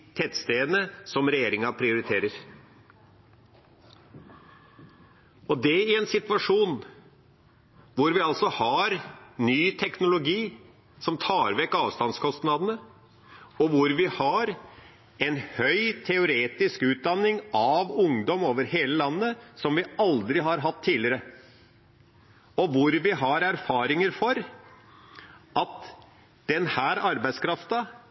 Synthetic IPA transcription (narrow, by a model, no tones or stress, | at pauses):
t̪ʰɛt̪st̪eːnəsɔmɾɛjeːɾɪŋɑpʰɾɪʊɾɪt̪ʰeːɾəɾ | ɔd̪ɛɪɛnsɪt̪ʋɑʂuːn | ʋʊɾʋɪɑlsɔhɑɾnyːt̪ʰɛknʊlʊɡiː | sɔmt̪ʰɑːɾʋɛkːɑːʋst̪ɑnskʰɔst̪nɑd̪ənə | ɔʋʊɾʋɪhɑɾ | ɛnhœʏt̪ʰɛʊɾeːt̪ɪskʉːt̪̚d̪ɑnːɪŋɑʋʊŋd̪ɔmoːʋəɾheːləlɑnːəsɔmʋɪɑld̪ɾɪɦɑɾɦɑt̪ʰːiːlɪəɾə | ɔʋʊɾʋɪɦɑɾæɾfɑːɾɪŋəɾfɔɾ | ʔɑt̪ | d̪̥ɛnhæːɾɑɾbæɪskʰɾɑft̪ɑ